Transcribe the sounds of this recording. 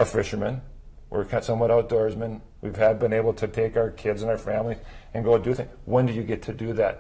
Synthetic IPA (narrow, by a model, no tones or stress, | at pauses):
ʔə˞fɪʃə˞mɨ̃nwʔə̰ɹkʰatsʌ̃mwʌ̃ɾaʊt̚d̥ɔɹzmɨ̃n | wiv̥ɨd̚bɨ̃neɪbl̩ˠtʰɨtʰeɪkaʊə˞kʰɪdzɨ̃naʊə˞fæ̃mliz̥ɨ̃nɡoʊdɨθɪ̃ŋwɛ̃ndɨjɨɡɛtʰɨdɨðæ̰t̚